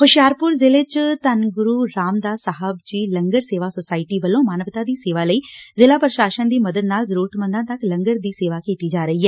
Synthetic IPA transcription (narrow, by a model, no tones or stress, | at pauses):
xʊʃjaːɾpʊɾzɪlɪt͡ʃt̪ənɡʊɾuːɾaːmd̪aːsaɦəbt͡ʃiːləŋɡəɾseːʋaːsosaːɪʈiːbəlːõːmaːnəʋɪt̪aːd̪iːseːʋaːləiːzɪlaːpɾəʃaːʃənd̪iːməd̪əd̪naːlzəɾuːɾət̪mə̃nd̪ãːt̪əkləŋɡəɾd̪iːseːʋaːkiːt̪iːd͡ʒaːɾəiːɦɛː